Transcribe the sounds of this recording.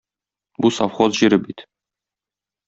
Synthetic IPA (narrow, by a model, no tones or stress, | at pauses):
busafχozʑiɾɘbit̪